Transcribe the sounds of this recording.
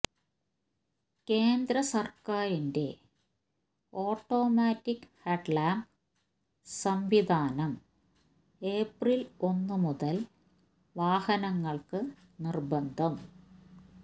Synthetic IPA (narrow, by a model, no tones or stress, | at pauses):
ke̞ːnd̪ɾɐsɐrkaːɾinde̞̰ | o̞ːʈːo̞ːmaːtːikːheʈlaːm | sɐmʋid̪ʱaːnɐm | e̞ːprilo̞nːɨmuðɐl | ʋaːhɐnɐŋːɐɭkɨ | nirbɐnd̪ʱɐm